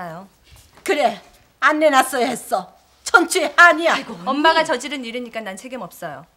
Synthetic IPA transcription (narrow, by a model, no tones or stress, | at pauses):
ajo | kɯɾe̞ | anːenas͈ʌjohe̞s͈ʌ | t͡ɕʰʌnt͡ɕʰueaɲiaoʌmːaɡat͡ɕʌd͡ʑiɾɯniɾɯɲik͈anansʰe̞ɡimʌp̚s͈ʌjo